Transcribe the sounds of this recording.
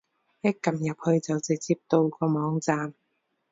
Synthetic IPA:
jɛ˥kːɐ˨mjɐ˨p̚hɵ˧ɥt͡sɐ˨wt͡sɪ˨k̚t͡siː˧p̚t̪o˧wkɔː˧mɔː˨˥ŋt͡saː˨m

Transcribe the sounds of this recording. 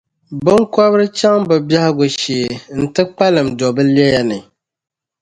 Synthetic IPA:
bɨ˦ŋkɔ˦βɨ˦ɾɨ˦t͡ʃa˦ŋbɨ˨bja˦hɪ˦ɡʊ˨ʃi˨n̩˨tɨ˦k͡pa˦lɨ˨mdɔ˨bɨ˦li˦ɛ˦ja˦nɨ˨

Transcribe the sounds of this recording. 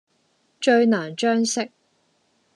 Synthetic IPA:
t͡ʃɵ˧ɥnaː˨˩nt͡ʃœː˥ŋsɪ˥k̚

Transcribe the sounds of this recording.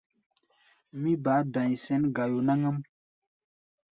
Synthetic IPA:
mĩ˦ba˨˦dã˨ɲ˨sɛ˦nɡa˨jo˨na˦ŋə˦m

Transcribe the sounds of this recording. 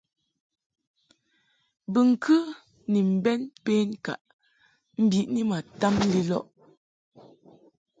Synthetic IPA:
bɨ˨ŋ̩˨kʰɨ˦ | ni˨m̩˨bɛ˦npeː˦ŋ˦ka̰˨ʔ | m̩˦bi˨ʔni˦ma˨ta˦m˦li˦lɔ̰˦ʔ

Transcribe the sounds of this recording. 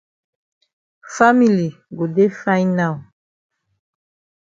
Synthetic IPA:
fa˦mi˨li˨ | ɡo˨de˦fa˦jna˨l

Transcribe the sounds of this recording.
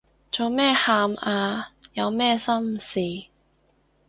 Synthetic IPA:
t͡so˨˧wmɛː˥haː˧maː˧jɐ˨˧wmɛː˥˧sɐ˥msiː˨

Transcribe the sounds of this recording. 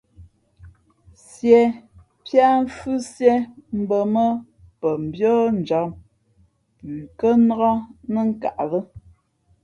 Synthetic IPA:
sjɛ˨ | pja˦ɱ̩˦fʉ˦sjɛ˦m̩˦bə˨mə˦ | pə˨m̩˨bjɔː˦n˨d͡ʒa˨˦m | pʉː˨kə˦n˦ɣa˦nə˦ŋ̩˦ka̰˨ʔlə˦

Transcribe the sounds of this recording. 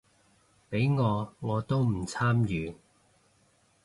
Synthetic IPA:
pe˨˥jŋɔː˨˧ŋɔː˨˧t̪o˥wm̩˨˩t͡sʰaː˥mjyː˨˧

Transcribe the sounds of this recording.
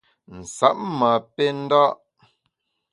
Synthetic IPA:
n̩˨sa˦ʔ̚ma˨pe˦n̩˦da˦ʔ

